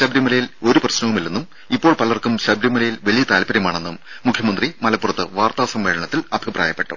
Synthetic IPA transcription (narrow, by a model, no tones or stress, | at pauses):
ɕɐbɾimɐlɐjilo̞ɾuprɐɕnɐʋumilːɐnːum | ipːo̞ːɭpɐlːɐrkumɕɐbɾimɐlɐjilʋɐlijɐt̪aːlpɐɾjɐmaːɳe̞nːumː | ukʰjɐmɐnd̪rimɐlɐpːurɐt̪ːɨʋaːrt̪aːʋɐsɐmʋeːɻɐɳɐt̪ːilɐbʱipra̰ːjɐpːe̞ʈːṵ